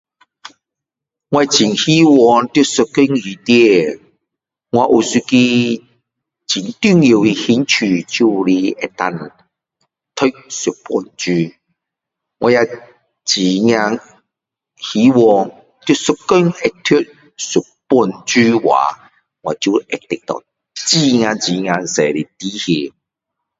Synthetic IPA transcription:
ŋwa˧t͡ɕi˨˩ŋhi˦wɔ˧ŋt̪ju˥su˨˧kːə˥˦ŋi˨t̪jɛ˦˧ | ŋwa˧ʔu˨su˧ki˧ | t͡ɕi˨˩nt̪y˥˧˨ŋji˨i˧hi˧˦nt͡ɕʰy˨t͡ɕu˥˧li˧ɛ˨˧t̪a˧n | t̪ʰə˦˥k̚su˨˩t̚pɔ˧nt͡ɕy˦ | ŋwʔa˧ja˧ | t͡ɕi˨˩ŋja˧ŋ | hi˨˦wɔ˧ | t̪u˧˦su˨kːɔ˥˦ŋɛ˨t̪ʰi˦t̚ | su˨˩t̚pu˧nt͡ɕy˦wa̰˨˦ | ŋwa˨˧˨t͡ɕu˥˧ʔɛ˨t̪i˨k̚t̪ɔ̰˨ | t͡ɕi˧ŋã˧t͡ɕi˨ŋja˧ŋsɛ˨li˨˩t̪i˦he˧

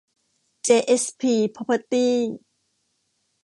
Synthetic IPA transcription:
t͡ɕeː˧˩ʔe˦˥spʰiː˧˩pʰɔ˧˥pʰə˧˩t̪iː˥˩

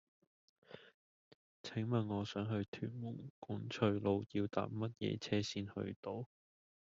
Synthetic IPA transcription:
t͡sʰɪ˨˥ŋmɐ˨nŋɔː˨˧sœː˨˥ŋɦɵ˧ɥt̪ʰyː˨˩n̚mʊ˨˩ŋku˨˥nt͡ʃʰɵ˨˧ɥlo˨˧wjiː˧wt̪a̰ː˨p̚mɐ˥t̚jɛ̰ː˨˧t͡sʰɛː˥siː˥nhɵ̰˧ɥt̪o˨˧w

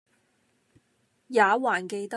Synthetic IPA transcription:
jaː˨˧˦waː˨˩nke˧jt̪ɐ˥

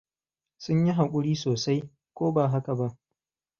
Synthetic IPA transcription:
sʊ˦ɲji˦ɦa˨kʷʼʊ˦ɽiː˦soː˨sa˦j | kʷoː˦baː˨ɦa˦ka˨ba˦ʔ

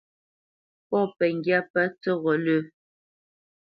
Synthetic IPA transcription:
pɔ˦pɛ˨ŋ˦ɡja˦pa˦t͡sɔ˦ɣɔ˨lə˦˨

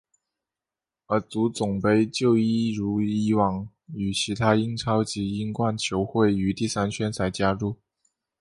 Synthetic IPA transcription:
ə˞˧˥t͡su˧˥t͡sʊ˨˩ŋpe˥ɪt͡ɕjo˥˧ʊi˥ɻu˧˥i˥wɑ˨˩ŋ | y˨˩t͡ɕʰi˧˥t̪ʰa˥i˥ŋʈ͡ʂʰɑ˥ʊt͡ɕi˧˥i˥ŋkwa˥˩nt͡ɕʰjo˧˥ʊxwe˥˩ɪy˧˥t̪i˥˩sa˥nt͡ɕʰɥɛ˥nt͡sʰa˧˥ɪt͡ɕja˥ɻu˥˩

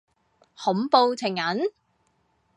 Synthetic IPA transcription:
hʊ˨˥mpo˧wt͡sʰɪ˨˩ŋjɐ˨˥n

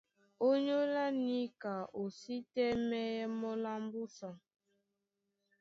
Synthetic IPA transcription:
o˦ɲo˦la˦ni˦ka˨o˨si˦tɛ˦mɛ˦jɛ˦mɔ˦la˦m˦bu˦sɔ˨

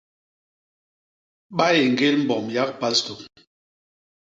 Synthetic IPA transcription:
ɓa˦je˨ŋ̩˨ɡe˦lm̩˦bɔ˨mja˦k̚pa˦lsto˨k

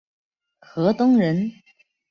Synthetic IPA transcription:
xɤ˧˥t̪ʊ˥ŋɻə˧˥n

